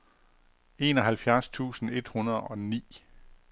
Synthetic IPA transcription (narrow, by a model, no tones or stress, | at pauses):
e̝ːnɒ̽ɦælfjæɐst͡sʰṵːsn̩e̝d̥hunɐð̩ˠɒ̽nḭː